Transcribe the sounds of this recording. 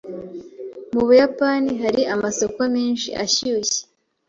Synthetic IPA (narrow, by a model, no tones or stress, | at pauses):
muβujapaniɦaɾiʔamaso̞ko̞miːnʃḭʔa̰çiuçe̥